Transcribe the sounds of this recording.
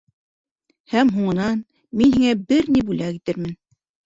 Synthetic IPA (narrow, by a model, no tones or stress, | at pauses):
hæmɦuɴɤ̆nɑn | minhiŋæbɘɾnibulækit̪ɘɾmɘn